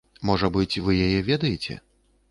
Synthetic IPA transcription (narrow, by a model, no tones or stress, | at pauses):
mɔʐɐbɨt͡sʲvɨjajɛvʲed̪ɐjet͡sʲɛ̰